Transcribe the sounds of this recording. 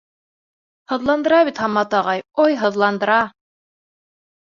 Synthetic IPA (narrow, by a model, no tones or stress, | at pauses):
hɤ̆ðlˠɑnd̪ɤ̆ɾɑβit̪hɑmːɑt̪ɑʁɑjojɦɤ̆ðlˠɑnd̪ɤ̆ɾɑ